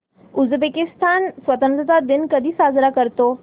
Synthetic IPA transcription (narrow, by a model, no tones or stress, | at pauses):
ʊzbekɪst̪aːnsʋɐt̪ə̃nt̪ɾət̪ad̪ɪnkɐd̪ʱisaːzɾakəɾt̪oː